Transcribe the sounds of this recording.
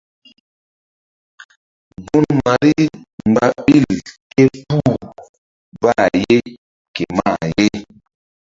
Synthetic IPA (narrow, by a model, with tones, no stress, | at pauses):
bu˦nma˨ɾi˦m˨ba˨ɓi˦˨lke˦pu˦˨ | ba˦˨je˦ | ke˨ma˦˨je˦